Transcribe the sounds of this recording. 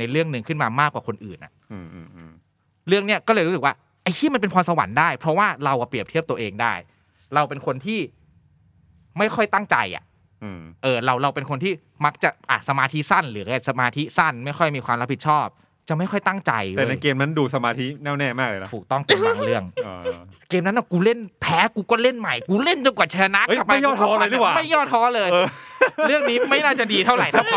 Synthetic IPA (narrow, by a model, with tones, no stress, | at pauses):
na˧jɾɯ˥˩əŋnɯ˧ŋkʰɯ˥˩nmaː˧maː˥˩kːwaː˨˩kʰo˧nʔɯː˨˩nʔa̰˨˩ʔ | ɾɯ˥˩əŋni˦˥ɐkɔː˥˩lɤː˧jɾu˦˥ɯ˨˩k̚waː˥˩ | ʔa˧˩jt̪ʰiː˥˩m˧np̬e˧npʰɔː˧msa˧wa̰˩˦ndaː˥˩jpʰɾɔ˦˥waː˥˩ɾa˧wʔa˨˩pɾi˨˩əp̚t̪ʰi˥˩p̚t̪u˧ɐʔeː˧ŋdaː˥˩j | ɾa˧wpe˧nkʰo˧nt̪ʰiː˥˩ | ma˥˩jxʰɔ˥˩jt̪a˥˩ŋt͡ɕa˧jʔa̰˨˩ʔ | ʔʔɤː˨˩ɾa˧wɾa˧wpe˧nkʰo˧nt̪ʰiː˥˩ | ma˦˥k̚t͡ɕa˨˩ʔʔa˨˩sa˧maː˧t̪ʰi˦˥sa˥˩nlɯː˩˦ka˧˩sa˧maː˧t̪ʰi˦˥sa˥˩nma˥˩jxʰɔ˥˩jmiː˧kʰwaː˧mɾa˦˥pːʰi˨˩t̚t͡ɕʰɔː˥˩p̚ | t͡ɕa˨˩ʔma˥˩jxʰɔ˥˩jt̪a˥˩ŋt͡ɕa̰˧jlɛː˨˩na˧keː˧mna˦˥nduː˧sa˧maː˧t̪ʰi˦˥nɛː˥˩wnɛː˥˩maː˥˩k̚lːt̪ʰuː˨˩k̚t̪ɔ˥˩ŋt̪a˧aː˨˧˩ŋɾɯ˥˩əŋ˧keː˧mna˦˥nʔa˧˩kuː˧le˥˩npʰɛː˦˥kuː˧kɔ˥˩le˥˩nma˨˩jkuː˧le˥˩nt͡ɕa˧ŋka˨˩t͡ɕʰa˧la˧na˦˥ʔkka˨˩ma˦˥˧jːt̪ʰɔː˦˥lːt̪ɯ˥˩waː˨ma˥˩jɔː˥˩t̪̚ʰːɔː˦˥lɤː˧jəː˧ɾɯ˥˩əŋniː˦˥ma˥˩jnaː˥˩t͡ɕa˨˩diː˧t̪ʰa˥˩wɾa˨˩jsʰa˦˧˩pʰɔ˦˥